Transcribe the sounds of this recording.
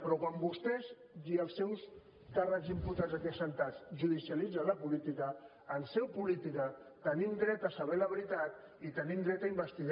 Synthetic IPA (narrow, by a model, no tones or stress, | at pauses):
pɾɔkwambust̪ɛz | iəlˠsːɛws | karəkzimpuɾt̪ad͡zzəkɛsənt̪azʒuðisialid͡zaləpulit̪ikəː | nsɛwpulit̪ikət̪ənimd̪ɾɛt̪əsəβɛləβɾit̪at̪ | it̪ənimd̪ɾɛt̪aimbəst̪iɣ